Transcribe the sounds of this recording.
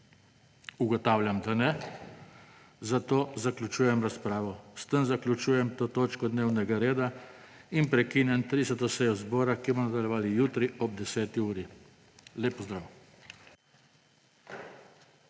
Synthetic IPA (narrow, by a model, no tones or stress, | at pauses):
uɡɔt̪awlʲjamd̪anɛ | zat̪oːzaklʲut͡ʃuːjɛmɾaspɾaːʋɔst̪ənzaklʲut͡ʃuːjɛmt̪oːt̪oːt͡ʃkɔd̪neːwnɛɡaɾeːd̪a | inpɾɛkiːnjɛnt̪ɾisɔt̪ɔsɛjɔzbɔːɾakimɔnad̪aljɛʋaːlijuːt̪ɾiɔb̚d̪ɛsɛːt̪iuːɾi | leːpːɔzd̪ɾaw